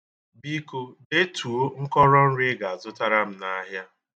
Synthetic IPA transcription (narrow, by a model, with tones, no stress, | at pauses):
bi˦ko˦de˦tʰu˨o˦ŋ̩˦kɔ˦ɾɔ˦n̩˦ɾɪ˦ɡa˨a˨zʊ˦ta˦ɾa˦m̩˦na˦ɦja˦